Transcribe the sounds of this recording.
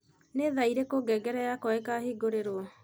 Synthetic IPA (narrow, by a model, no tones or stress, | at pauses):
neðaiɾekoɡɛɡɛɾɛjakɔɛkahiɡoɾeɾoɔ